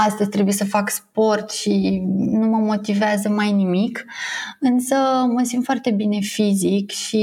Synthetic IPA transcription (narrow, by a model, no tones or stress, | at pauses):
ast̪əzʲt̪ɾe̞buje̞səfakspo̞rt̪ʃinuməmo̞t̪iveazəmajnimikɨnsəməsint̪foart̪e̞bine̞fizikʃi